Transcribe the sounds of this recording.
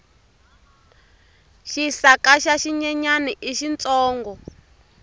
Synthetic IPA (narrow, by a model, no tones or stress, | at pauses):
ʃisakaʃaʃiɲɛɲaniʔiʃint͡sɔːŋɡɔ